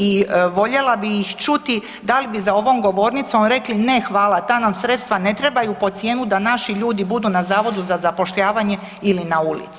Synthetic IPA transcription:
iʋo̞ʎe̞labijːxt͡ʃut̪i | d̪alibizao̞ʋo̞mɡo̞ʋo̞ːɾnit̪somɾe̞kline̞xʋaːlˠat̪aːnamsɾe̞t̪st̪ʋane̞t̪ɾe̞bajupo̞t̪sje̞ːnud̪anaʃiʎuːd̪ibud̪uːnazaːʋo̞d̪uzazapo̞ʃʎaːʋaɲe̞ | ilinaulḭt̪si

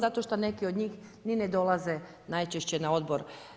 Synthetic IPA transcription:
zat̪oʃt̪one̞kiod̪ɲiːxnined̪o̞lˠaze | najt͡ʃeʃt͡ɕenao̞d̪bo̞ɾ

